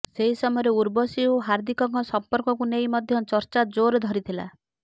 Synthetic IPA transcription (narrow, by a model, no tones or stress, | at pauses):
seɦisɔmɔjɔɾeuɾbɔsioɦaɾd̪ʱikɔŋkɔsɔmpɔɾkɔkunejmɔd̪ʱjɔt͡ʃɔɾt͡ʃad͡ʒoɾɔd̪ʱɔɾit̪ʰila̰